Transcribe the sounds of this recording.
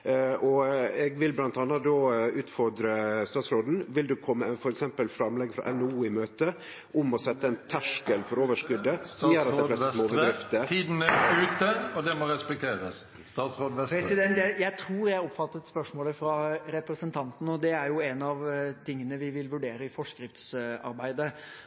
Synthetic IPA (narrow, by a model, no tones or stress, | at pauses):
ɔɛɡʋɪlblɑnt̪ɑnːəd̪oːʉːt̪fɔɾd̪ɾəst̪ɑːt̪sɾoːd̪n̩ʋɪld̪ʉkʰɔmːəfɔɾɛksɛmpəlfɾɑmlɛɡfɾɑ̰ʔɛnuːɪmøːt̪ə | ʔʊmɔsɛt̪ːəɛɪnt̪ʰæʂkəlfɔɾoːʋəʂkʉd̪ːəsɔmjøːɾɑt̪ɛfɛst̪əmoːbədd̪ɾɪft̪ət̪ʰiːd̪n̩əʉːt̪əɔd̪ɛmoɾɛspɛk̚t̪ʰeːɾəs | st̪ɑːt̪sɾoːd̪ɛpɾɛsɪd̪ɛnt̪jæjæɪt̪ʰɾuːɾjæɔpːfɑt̪ːət̪spœʂmoːləfɾɑɾɛpɾəsənt̪ʰɑnt̪n̩ɔd̪ɛæɾjʊɛnɑʋt̪ʰɪŋːənəʋɪʋɪlʋʉɖeːɾəɪfɔʂkɾɪft̪sɑ̰ɾbæɪd̪ə